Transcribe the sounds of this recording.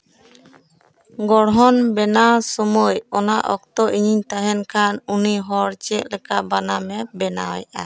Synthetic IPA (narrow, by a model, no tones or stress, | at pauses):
ɡɔɽɦɔnbɛnasɔmɔjɔnaʔɔk̚t̪ɔʔiɲiɲt̪aɦɛnkʰanuniɦɔɾt͡ʃɛʔ̚lɛkaʔbanamɛbɛnawjʔa̰